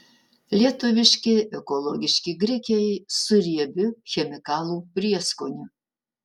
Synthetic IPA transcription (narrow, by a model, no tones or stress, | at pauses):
lʲiɛt̪ʊʋʲɪʃʲkʲɪɛkɔlˠɔɡʲɪʃʲkʲiɡɾʲɪkʲɛjsʊɾʲiɛbʲɪxʲɛmʲɪkɑːlˠuːpʲɾʲiɛskonʲʊ